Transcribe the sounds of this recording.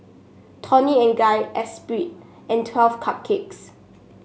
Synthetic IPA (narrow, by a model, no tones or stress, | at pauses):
tʰɔniɛ̃nɡajʔɛspɹit̚ | ʔɛ̃ntʰwɛlfkʰap̚kʰeks